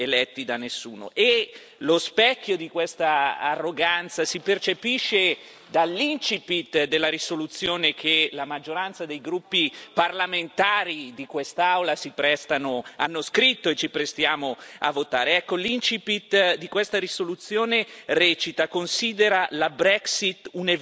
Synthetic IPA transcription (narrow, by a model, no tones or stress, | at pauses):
elɛt̪ːid̪anːesːṵːno̰ʔe | lospɛkʲːjod̪ikwest̪aa̰rːoɡant̪sasipert͡ʃepiʃːe | d̪alːint͡ʃipit̪d̪elːaɾisolut̪sːjoːnekʰelamad͡ʒːoɾant̪sad̪ejɡɾupːiparlament̪aːɾid̪ikwest̪aawlasipɾɛst̪anoa̰nːoskɾit̪ːoet͡ʃːipɾest̪jaːmoa̰vːot̪aːɾeɛkːolint͡ʃipit̪d̪ikwest̪aɾisolut̪sːjoːnerɛːt͡ʃit̪akonsiːd̪eɾalabɾɛksit̪ːune